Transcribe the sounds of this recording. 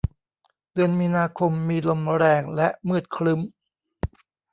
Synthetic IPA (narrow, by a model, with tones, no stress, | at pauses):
dɯ˧ənmiː˧naː˧kʰo˧mːiː˧lo˧mɾɛː˧ŋlɛ˦˥ʔmɯː˥˩t̪̚kʰɾɯ˦˥m